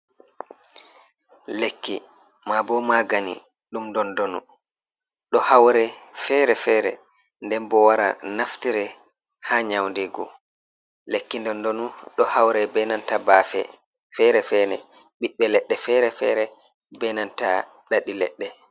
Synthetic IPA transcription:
lekːimabɔmaɡanḭɗumndɔndonṵ | ɗɔhawɾɛfɛɾɛfɛɾɛ̰ | ndɛmbɔwaɾa̰naftiɾɛ | haɲawndɛɡɔ̰ | lekːindɔndonuɗɔhawɾɛbɛnantabafɛ̰ | fɛɾɛfɛnɛ̰ | ɓiɓːɛlɛɗːɛfɛɾɛfɛ̰ɾɛ | bɛnanta̰ | ɗaɗilɛ̰ɗːɛ

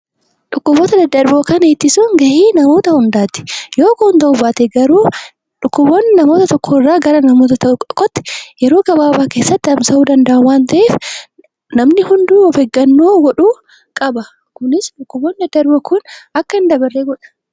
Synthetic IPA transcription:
ᶑʊkːʊboːt̪ɐd̪ɐd̪ːɐɾboːkɐneːt̪ːɪsuŋɡɐʔiːnɐmo̞ːt̪ɐhʊnd̪aːt̪ɪ̥jo̞ːkoːnt̪ɐʔubaːt̪eɡɐɾuː | ᶑʊkːʊbonːnɐmo̞ːt̪ɐt̪ɔkʰːɔɪrːaːɡɐɾɐnɐmoːt̪ɐt̪ɐkʼɔ̥kːɔt̪ːɪ̥jɛɾo̞ːɡɐbaːbaːke̞ːsːɐt̪ːɪɐmsɐuːd̪ɐnd̪ɐʔɐnwaːnt̪ɐʔeːf | nɐmnɪhʊnd̪uːɔfɛɡːɐnːoːɡɔᶑuː | kʼɐbɐ | kʊnɪsᶑʊkːʊboːnd̪ɐd̪ːɐɾboːkʊnɐkːɐɪnd̪ɐbɐrːeːɡɔᶑɐ̥

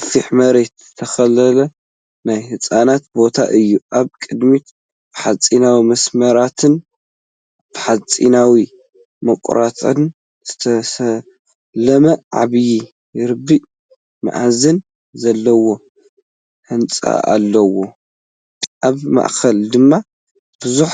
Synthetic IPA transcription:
fiħmɐɾe̞t̪zɨt̪ʰɐxɐlɐlɐ | najhɨsʼanat̪̚bo̞t̪ʰa̰ʔɨjːuʔaβkʼɨd̪mit̪ | b̥ɨħat͡sʼinawimɐsmɐɾat̪ʰɨn | b̥ɨħat͡sʼḭnawi | mɐkʷʼɾat̪ʼɨ̰n | z̥ɨt̪ʰɐsɐ | lɐmɐʕa̰βji | jɾɨbːiʔ | ma̰ʕazɨn | zɐlːɐwo̞ | hɨnt͡sʼa̰a̰lːɐwo̞ | ʔaβma̰ʔkɐld̪ɨmːa | b̥ɨzuħ

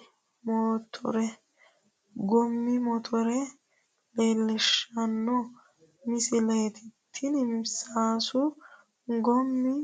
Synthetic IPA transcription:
moːt̪ʰɔ̰ɾɛ | ɡɔmːɪmɔt̪ʰɔɾɛ | leːlːɛʃɐnːɔ | mɪsɪlejt̪ɪt̪ʰːɪnmsaːsʊ | ɡɔmːɪ

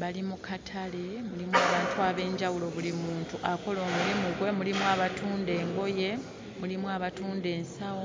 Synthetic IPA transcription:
βalimukʰatʰale̞mulimwaːβaːntuaβe̞ːɲɟawulo̞βulimuːntuʔako̞lo̞ːmulimuɡwe̞mulimwaβatuːnde̞ːŋɡo̞je̞ | mulimwaβatuːnde̞ːnsawo

